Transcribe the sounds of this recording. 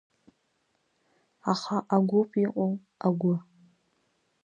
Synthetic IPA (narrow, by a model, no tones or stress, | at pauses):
aχaʔaɡʷopʰiqʼow | aɡʷʊ